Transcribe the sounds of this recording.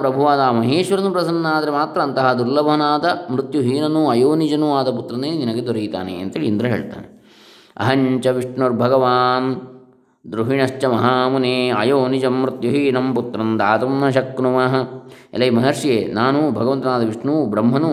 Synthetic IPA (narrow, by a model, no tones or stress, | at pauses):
pɾɐbʱuʋaːd̪aːmɐɦeːʃʋɐɾɐnupɾɐsɐnːaːd̪ɐɾemaːt̪ɾɐːnt̪ɐɦɐd̪uɾlɐbɐɦɐnaːd̪ɐmɾut̪juɦiːnɐnuɐjoːnid͡ʒɐnuaːd̪ɐp̬ut̪ɾɐneːninɐɡed̪ɔɾɐɡit̪a̰ːnḛɐ̰nt̪ɐɦeːɭind̪ɾɐɦeːɭt̪a̰ːne | ɐ̰ɦɐɲt͡ʃɐʋiʂɳɐɾbʱɐɡɐʋaːn | d̪ɾuɦiɳɐʃt͡ʃɐmɐɦaːmuneːɐjoːnid͡ʒɐmːɾut̪juɦiːnɐmput̪ɾɐnd̪aːt̪ɐmnɐʃ̬ɐknumɐɦɐḛlɐjimɐɦɐɾʂijeːnaːnubʱɐɡɐʋɐnt̪ɐnaːd̪ɐʋiʂɳubɾɐmɦɐnu